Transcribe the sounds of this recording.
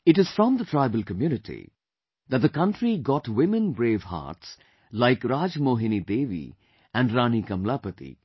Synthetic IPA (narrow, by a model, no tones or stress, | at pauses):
ɪʈɨz̥fɾɔ̃md̪ətʰɾaɪbəlkəmjunɪʈʰḭ | ðæt̚d̪əkʌ̃nʈɾiɡɔʈwɪ̃mə̃nbɾeːʋha̰ːʈs | laɪkɾaːd͡ʒmoːɦɪ̃nid̪eːʋḭ | æ̃nɖɾaːnikɐ̃mlapət̪ḭ